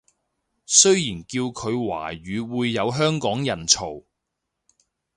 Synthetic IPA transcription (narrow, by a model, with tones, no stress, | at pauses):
sɵ˥ɥjiː˨˩nkiː˧wkʰɵ˨˧ɥwa̰ː˨˩ɥyː˨˧wuː˨˧jːɐ˨˧wɦœː˥ŋkɔː˨˥ŋjɐ˨˩nt͡sʰo˨˩w